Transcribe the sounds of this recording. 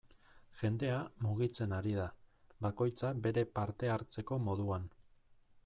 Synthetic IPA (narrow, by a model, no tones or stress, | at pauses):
ʝe̞nd̪e̞amuɣ̞it͡se̞naɾiðaβako̞jt͡sabe̞ɾe̞paɾt̪e̞aɾt͡se̞ko̞mo̞ðuan